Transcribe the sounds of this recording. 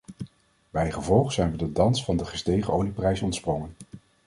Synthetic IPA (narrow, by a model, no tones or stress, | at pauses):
bɛjχəvɔlˠχz̥ɛjnʋədədɑnsfɑndəχə̥stejχəʔowliprɛjsɔntsprɔŋən